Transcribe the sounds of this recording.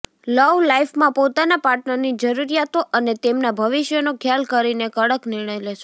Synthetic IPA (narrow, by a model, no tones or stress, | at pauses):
ləʋlaifmãpot̪anapaɾʈnəɾnid͡ʒəɾuɾijat̪oʔənet̪emnabʱəʋɪʃjənokʰjalkəɾinekəɽəknɪɾɳ̃əjleʃe